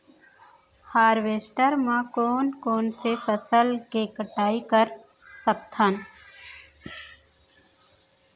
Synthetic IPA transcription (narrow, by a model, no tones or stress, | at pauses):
haːɾʋeːsʈəɾmãkoːnkoːnsepʰəsəlkeːkəʈaːikəɾ | səpt̪ʰan